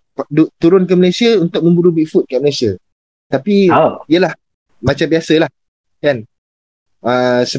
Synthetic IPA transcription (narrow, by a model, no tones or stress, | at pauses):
pdut̪uɾʊnkanməlesiaunt̪ʊk̚mə̃mbuɾubiʔfut̪̚kaʔməlesia | t̪apiiəlah | mat͡ʃambiasəlah | kan | əsə